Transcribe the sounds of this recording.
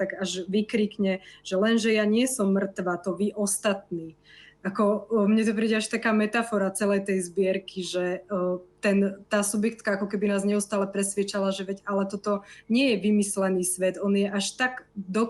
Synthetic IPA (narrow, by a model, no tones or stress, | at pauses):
t̪aɡaʒʋikɾikɲɛʒ̥ɛlɛnʒɛjaɲɪɛsɔmːr̩t̪ʋat̪ɔʋiʔɔst̪at̪̚niː | akɔmɲɛt̪̬ɔp̬ɾiːɟɛaʃt̪akaːmɛt̪afɔɾat͡sɛlɛjt̪ɛjzbɪɛɾkʰiʒɛ | t̪ɛnt̪aːsubjɛk̚t̪kaakɔkɛbinaːzɲɛust̪aːlɛpɾɛsʋjɛt͡ʃalaʒɛʋɛɟalɛt̪ɔt̪ɔɲɪɛjɛʋimislɛniːsʋɛd̪ɔnjɛʔaʃt̪aɡd̪ɔ